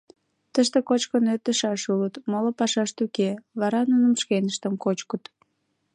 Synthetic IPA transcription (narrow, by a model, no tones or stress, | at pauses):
t̪əʃt̪ekot͡ɕkənøt̪əʃɑʃulət̪molopɑʃɑʃt̪ukeβɑɾɑnunəmʃkenəʃt̪əmkot͡ɕkət̪